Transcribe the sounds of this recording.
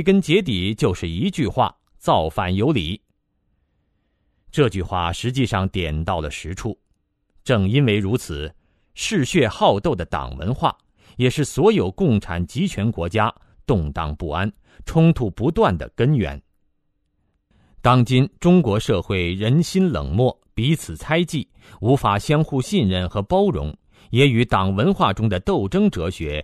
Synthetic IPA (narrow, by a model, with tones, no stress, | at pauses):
kə˥nt͡ɕjɛ˧˥t̪̬i˨˩t͡ɕjo˥˧ʊʂɻ̩˥˩i˧˥t͡ɕy˥˧xwa̰˥˩ | t͡sɑ˥˧ʊfa̰˥˩njo˧˥ʊli˨˩˥ | ʈ͡ʂɤ˥˧t͡ɕy˥˧xwa̰˥˩ʂɻ̩˧˥t͡ɕi˥˧ʂɑ˥˩ŋt̪jɛ˨˩nt̪ɑ˥˩ʊlə̰˩ʂɻ̩˧˥ʈ͡ʂʰu˥˩ | ʈ͡ʂɤ˥˩ŋi˥nwe˧˩ɪɻu˧˥t͡sʰɹ̩˨˩ | ʂɻ̩˥˧ɕɥɛ˥˧xɑ˥˧ʊt̪o˥˩ʊd̪ə˩t̪ɑ̰˨˩ŋwə̰˧˥nxwa̰˥˩ | jɛ˨˩ʂɻ̩˥˩swɔ˧˥jo˨˩ʊkʊ˥˩ŋʈ͡ʂʰa̰˨˩nt͡ɕi˧˥t͡ɕʰɥɛ˧˥nkwɔ˧˥t͡ɕja˥ | t̪ʊ˥˧ŋt̪ɑ̰˥˧ŋpṵ˥˩a˥n | ʈ͡ʂʰʊ˥ŋt̪ʰu˥˩pu˧˥t̪wa˥˩nd̪ə̰˩kə˥nɥɛ̰˧˥n | t̪ɑ˥ŋt͡ɕi˥nʈ͡ʂʊ˥ŋkwɔ˧˥ʂɤ˥˧xwe˥˩ɪɻə˧˥nɕi˥nlɤ̰˨˩ŋmwɔ˥˩ | pi˧˥t͡sʰɹ̩˨˩t͡sʰa˥ɪt͡ɕi˥˩ | u˧˥fa˨˩ɕjɑ˥ŋxu˥˧ɕi˥˧nɻə˥˩nxɤ˧˥pɑ˥ʊɻʊ̰˧˥ŋ | jɛ˧˥y˧˥t̪ɑ˨˩ŋwə˧˥nxwa˥˩ʈ͡ʂʊ˥ŋd̪ə˨t̪o˥˩ʊʈ͡ʂɤ˥ŋʈ͡ʂɤ˧˥ɕɥɛ˧˥